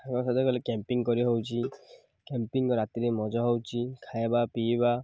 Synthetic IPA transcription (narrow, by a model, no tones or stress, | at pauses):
akɔsɔd̪ekɔlekempiŋkɔɾiɦowt͡ʃʰi | kempiŋkɔɾat̪iɾemɔd͡ʒɔɦɔwt͡ʃʰikʰajbapiba